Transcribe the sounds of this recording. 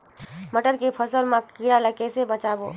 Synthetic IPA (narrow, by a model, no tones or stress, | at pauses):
məʈəɾkepʰəsəɾmãkiɽaləkesebət͡ʃabo̰